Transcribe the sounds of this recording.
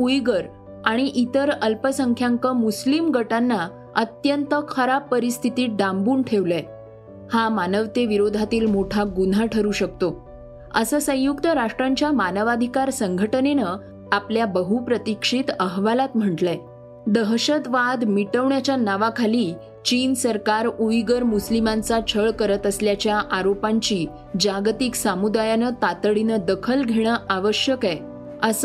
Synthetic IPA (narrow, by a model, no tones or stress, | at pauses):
pujɡəɾ | aɽ̃iʔit̪əɾəlpəsəŋkʰjaŋkəmuslimɡəʈanːa | ət̪jənt̪əkʰəɾapːəɾist̪ʰit̪iːɖambuːnʈʰeʋla | hamanəʋt̪eʋiɾod̪ʱat̪iːlmoʈʰaɡun̤aʈʰəɾuːɕək̚t̪o | əsəːsə̃jukt̪əɾaʂʈɾaɲt͡ɕjamanəʋad̪ʱikaɾsəŋɡʱəʈənenə | apljabəɦupɾət̪ikʂit̪əɦʋalat̪m̤əʈla | d̪əɦɕət̪ʋad̪miʈəʋɳjat͡ɕjanaʋakʰaliː | t͡ɕinsəɾkaɾuiɡəɾmuslimant͡sat͡ɕʰəɭkəɾət̪əsljat͡ɕjaʔaɾopaɲt͡ɕiː | d͡ʑaɡt̪iksamud̪ajanət̪at̪əɭinəd̪əkʰəlɡʱeɽ̃əʔaʋəɕjəka | əs